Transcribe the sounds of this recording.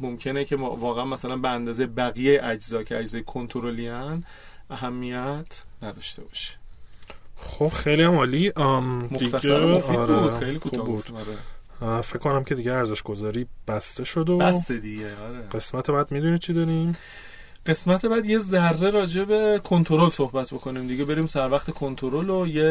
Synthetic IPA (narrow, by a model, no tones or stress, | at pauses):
mo̞mcʰe̞necʰevɒːɣeænmæsælænbeænd̪ɒːzejebæɣijejeʔæd͡ʒzɒːcʰeæd͡ʒzɒːjekʰo̞nt̪ʰoɾoliæn | ʔæɦæmːijæt̪ʰnæd̪ɒːʃt̪e̞bɒ̥̰ːʃi̥ | xob̥xejlijæmɒːlimoxʰæsæɾfiɾeuːd̪xejliːkʰuːɒːxbud̪̥ɒɾefe̞ckʰːonæmcʰe̞d̪iɟeæɾze̞ʃɡ̥o̞zɒːɾiːb̥æst̪eʃod̪oæst̪ed̪iɟeɒɾeɢe̞smæt̪ʰebæd̪̚mid̪unit͡ʃʰid̪ɒːɾim | ɢ̥e̞smæt̪ʰebæd̪je̞zærːe̞ɾɒːd͡ʒe̞be̞kʰont̪ʰo̞ɾolsohbæt̪ʰbo̞kʰo̞niːmd̪iɡebe̞ɾiːmsæɾvæχt̪ʰe̞kʰont̪ʰoɾoloje